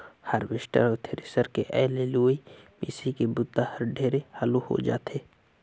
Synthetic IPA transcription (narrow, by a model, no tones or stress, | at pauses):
həɾʋɪʃʈə̰ɾɔɾt̪ʰeɾɪsəɾkeʔɛːleluːimḭːsikebʊd̪ːahəɾɖʱeːɾehaluho̰d͡ʒa̰ːt̪ʰeː